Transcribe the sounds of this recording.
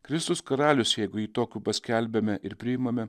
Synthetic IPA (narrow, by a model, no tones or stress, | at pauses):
kɾʲɪst̪ʊskɐɾɑːlʲʊsjɛɪɡʊiːt̪oːkʲuːpɐsʲkʲæˑlʲbʲɛmʲɛʔɪɾpʲɾʲɪjɪmɐmʲɛ